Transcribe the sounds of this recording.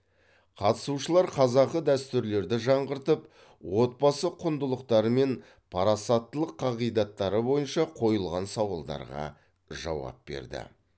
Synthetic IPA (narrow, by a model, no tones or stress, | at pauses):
qʰɑt̪ə̥suʃəlˠɑɾqʰɑzɑqəd̪æst̪ʏɾle̞ɾd̪ɪʒɑɴʁəɾt̪əp | wo̞t̪̚bɑsəqʰʊnd̪əlˠəqt̪ɑɾəme̞n | pʰɑɾɑsɑt̪ːəlˠəqʰːɑʁijd̪ɑt̪ːɑɾəbo̞jənʃɑqʰo̞jəlˠʁɑnsɑwɑlˠd̪ɑ̰ɾʁɑ̰ | ʒɑ̰wɑ̰p̚be̞̰ɾd̪ɪ̰